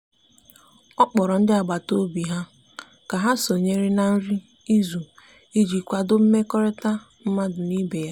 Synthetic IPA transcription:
ɔ˦k͡pɔ˨ɾɔ˨n̩˦dɪ˦a˨ɡ͡ba˨to˦bi˨ɦa˦ | ka˨ɦa˦so˨ɲe˦ɾi˦na˦n̩˦ɾi˦ | i˦zu˨ | i˦d͡ʒi˨kʷa˨dʊ˦m̩˦me˦kɔ˦ɾe˦ta˦ | m̩˦ma˦dʊ˨ni˦be˨ja˦

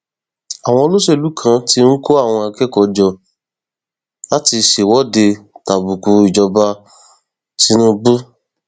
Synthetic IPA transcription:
a˨w̃ɔ̃˧lo˦ʃe˦˨˧lu˨˦kʰã˧ti˦n̩˦ko˦a˦˨w̃ɔ̃˧a˧kɛ˦kɔ˧˨d͡ʒɔ˧ | la˦ti˧ʃe˨wɔ˦de˧ta˨bu˨ku˧i˨d͡ʒɔ˧ba˧ | ti˦nũ˦bu˦

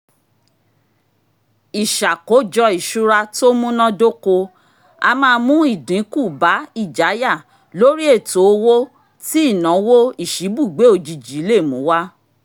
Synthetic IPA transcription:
i˨ʃa˨ko˨˦d͡ʒɔ˧i˨ʃu˦ɾa˧to˦mũ˦nã˦do˦ko˧ | a˧mãː˦˧mũ˦i˦˨dĩ˨˦ku˦˨ba˨˦i˦˨d͡ʒa˨˦ja˦˨ | lo˦ɾi˦e˦˨to˨˦wo˦ | ti˦i˦˨nã˨˦wo˦i˦˨ʃi˨˦bu˦˨ɡ͡be˨˦o˧d͡ʒi˨d͡ʒi˨˦le˦˨mũ˨˦wa˦

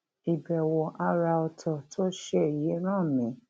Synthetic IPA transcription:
i˨bɛ˨wɔ˨ʔa˧ɾa˧ɔ˧tʰɔ˨tʰo˦ʃɛ˧˦˨ji˨˦ɾ̃ã˦˨mĩ˨˦

